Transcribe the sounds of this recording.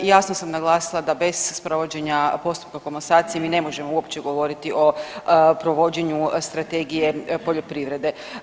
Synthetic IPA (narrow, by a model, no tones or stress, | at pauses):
jaːsnosamnaɡlˠaːsilˠad̪abe̞z̥spɾo̞ʋo̞d͡ʑe̞ɲapo̞st̪u̥p̚kakomosaːt̪ijemiːne̞mo̞ʒe̞mouo̞pt͡ɕe̞ɡo̞ʋo̞ɾit̪iʔo̞pɾo̞ʋo̞d͡ʑe̞ɲust̪ɾat̪e̞ɡije̞po̞ʎo̞pɾiːʋɾe̞d̪e̞